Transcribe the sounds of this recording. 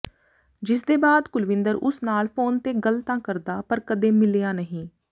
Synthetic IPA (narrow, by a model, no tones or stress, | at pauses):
d͡ʒɪsd̪eːbaːd̪kʊlʋɪnd̪əɾʊsnaːlpʰoːnt̪eːɡəlt̪ãːkəɾd̪aːpəɾkəd̪ẽːmɪlejaːnəɦĩː